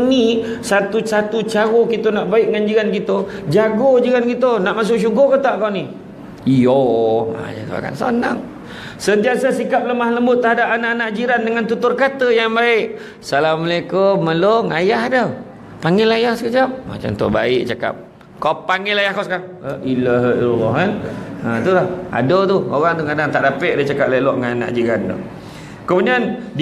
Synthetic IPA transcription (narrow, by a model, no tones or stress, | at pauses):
nisat̪usat̪ut͡ʃaɣokit̪ənaʔbaɪʔŋand͡ʒiɾankit̪əd͡ʒaɡod͡ʒiɣankit̪ənaʔmas̬ʊʔʃuɡokat̪aʔkawni | joma̰a̰t̪a̰ka̰nso̰naŋ | sənt̪iasasikap̚ləmahləmbʊt̪ːəɦadapanaʔanaʔd͡ʒiɾandəŋant̪ut̪ʊrkat̪əjaŋbaɪʔ | salahməlekoməloŋajahdə | paŋɪlajahsəkət͡ʃap̚ma̰t͡ʃa̰mnt̪ɔ̰ʔba̰ɪʔt͡ʃaka̰p̚ | kapaŋɪlajahkoskaʔilaɦailɔlːɔɦanət̪ulaha̰dot̪uoɣaŋt̪ukadaŋt̪aʔdapəʔdət͡ʃakap̚lelɔʔŋanana̰ʔd͡ʒiɾando̰ | kəmuniand